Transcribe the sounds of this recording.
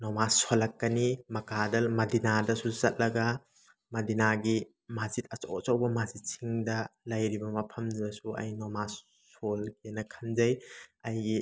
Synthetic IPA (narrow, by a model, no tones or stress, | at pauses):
nɔmasolɐkːɐnimɐkadɐlmɐdinadɐsuzɐt̚lɐɡɐ | mɐdinaɡi | mazit̚ʰɐt͡ʃo̰wt͡ʃowbɐmazit̚sʰiŋdɐlɐjɾibɐmɐpʰɐmddɐsuɐ̰jnɔma | solkenɐkʰanzɐjɐjɡi